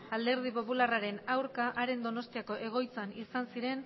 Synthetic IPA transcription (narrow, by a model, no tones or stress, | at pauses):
ald̪e̞ɾð̞ipo̞pularaɾe̞nawɾkaʔaɾe̞nd̪o̞no̞st̪iako̞ʔe̞ɣ̞o̞jt͡sanisansiɾe̞n